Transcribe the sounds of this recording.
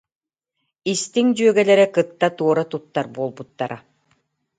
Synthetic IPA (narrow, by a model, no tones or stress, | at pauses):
ist̪iŋd͡ʑyœɡɛlɛɾɛkɯt̪ːat̪uɔɾat̪ut̪ːaɾbuɔlˠbut̪ːaɾa